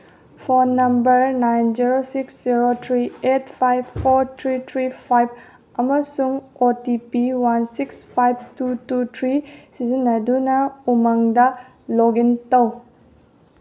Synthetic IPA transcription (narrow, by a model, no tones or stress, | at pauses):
pʰonːɐmbɐɾnajnziɾosiksziɾotʰɾietpʰajbpʰːoɾtʰɾitʰɾipʰajb̚ | ɐmɐsuŋotipiwansikspʰajb̚tututʰɾisizinːɐdunɐumaŋdɐ | loɡintɐw